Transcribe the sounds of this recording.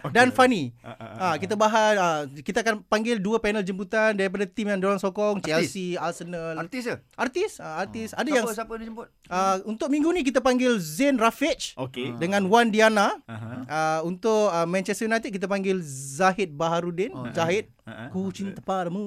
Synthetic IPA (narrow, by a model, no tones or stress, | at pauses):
danfaniakit̪abaɦaəkit̪aakanpaŋɡɪlduəpɛnəld͡ʒəmbut̪andaɾip̬adat̪imjaŋdoɾaŋsɔkɔŋt͡ʃɛlsialsənəlat̪isʔart̪isaart̪isadajaŋsapəd͡ʒəmʊt̪̚əunt̪ʊk̚mĩŋɡunĩk̬it̪apaŋɡɪlzɛnrafit͡ʃokedəŋãnwandianaəunt̪ʊʔəmɛ̃nt͡ʃɛst̪əjunajt̪ik̚ːit̪̬əpaŋɡɪlzaɦɪt̪̚baɦaɾudɪnzaɦɪt̪̚kut͡ʃint̪ə̥palmu